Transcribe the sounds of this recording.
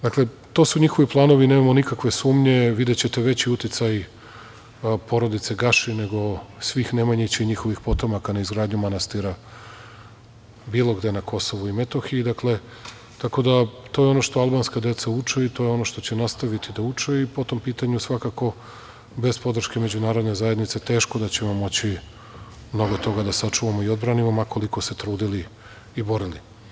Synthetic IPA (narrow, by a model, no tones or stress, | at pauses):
d̪akle̞ | t̪o̞suɲixo̞ʋiplˠaːno̞ʋine̞ːmamonikakʋe̞suːmɲe̞ʋid̪et͡ɕe̞t̪eʋe̞t͡ɕiut̪it̪saj | po̞ɾo̞d̪it̪se̞ɡaʃine̞ɡo̞sʋixnemaɲet͡ɕeɲixo̞ʋixpo̞t̪o̞makanaizɡɾaːd̪ɲumanast̪iɾa | biːlˠo̞ɡd̪e̞nakʰo̞so̞ʋuimet̪o̞xiid̪akle̞ | t̪ako̞d̪at̪o̞jeo̞no̞ʃt̪oalˠbanskad̪e̞t̪saut͡ʂeit̪o̞jeo̞no̞ʃt̪o̞t͡ɕe̞nast̪aʋit̪id̪aut͡ʂeipo̞t̪o̞mpiːt̪aɲusʋakako̞ | be̞spo̞d̪r̩ʃke̞med͡ʑunaːɾod̪ne̞zaje̞d̪nit̪se̞t̪e̞ːʃko̞d̪at͡ɕe̞mo̞mo̞t͡ɕi | mno̞ɡo̞t̪o̞ɡad̪asat͡ʂuʋamoio̞d̪bɾanimomako̞liko̞se̞t̪ɾuːd̪ili | ibo̞ɾili